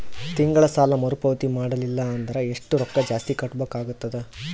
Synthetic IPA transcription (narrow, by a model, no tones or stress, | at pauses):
t̪iŋɡɐɭɐsaːlɐmɐɾupɐʋt̪imaːɽɐlilːɐːnd̪ɐɾeeʂʈuɾɔkːɐd͡ʒaːst̪ikɐʈːbeːkaːɡut̪ːɐd̪e̞